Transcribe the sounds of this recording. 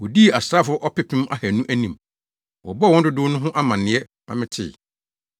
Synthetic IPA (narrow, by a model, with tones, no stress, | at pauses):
wɔ˨di˦˨a˨sɾaː˦fʊ˦ɔ˦ʔɔ˦pɪ˦pʰĩ˦m˦a˦hæ˨nũ˦ʔæ˦nĩ˨m | wɔ̰˨bɔ˦˨wɔ̃˦dɪ˦dʊː˦nʊ̃˦ɦʊ̃˦ʔa˦mã˨nɪ̃˨ɛ˦ | nã̰˨˦mɪ̃˦tʰɪ̰˨